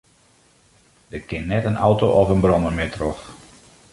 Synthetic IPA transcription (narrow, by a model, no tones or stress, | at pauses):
d̥əkʰɪnːɛtənɔwtoʔɔfənbrɔnəmɪtrox